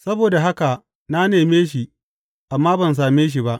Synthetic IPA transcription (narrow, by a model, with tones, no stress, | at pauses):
sɐ˦boː˨da˨ɦa˦ka˨ | na˦neː˨meː˦ʃ̬i˨ | ʔa˨mːaː˦bɐ˨ns̬aː˨meː˦ʃ̬i˨ba˦ʔ